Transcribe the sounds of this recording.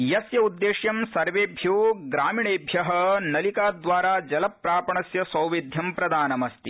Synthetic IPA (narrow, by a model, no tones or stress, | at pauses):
jɐsjɐud̪ːeːʃjɐmsɐɾʋeːbʱjoːɡɾaːmiːɳeːbʱjɐɦɐnɐlikaːd̪ʋaːɾaːd͡ʒɐlɐpːɾaːpɐɳɐsjɐsɐwʋid̪ʱjɐmpɾɐd̪aːnɐmɐst̪i